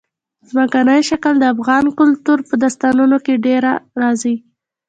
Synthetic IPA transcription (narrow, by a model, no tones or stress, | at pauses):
zmakanəjʃakəld̪əafɣɑnkʊlt̪uɾpəd̪ast̪ɑnunokeɖeɾaɾɑzi